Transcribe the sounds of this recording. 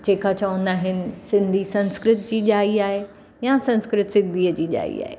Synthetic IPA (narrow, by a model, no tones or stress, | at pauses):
d͡ʑeːkʰat͡ɕaʊnaːɦɪnɪ̆sɪ̃nd̪ʱisɐ̃nskɾɪt̪̚d͡ʑiːʄaːiaːɦe | jasɐ̃nskɾɪt̪sɪ̃nd̪ʱiːəd͡ʑiːʄa̰ːḭa̰ːɦḛː